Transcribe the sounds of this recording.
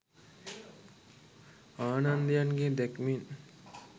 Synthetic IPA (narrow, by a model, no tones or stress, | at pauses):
aːnand̪əjanɡed̪ɛkmin